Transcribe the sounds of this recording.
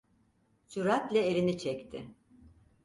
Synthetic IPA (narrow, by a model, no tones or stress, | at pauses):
t͡ʃuɾat̪lʲɛeɾinit͡ʃʰɛct̪ʰɪ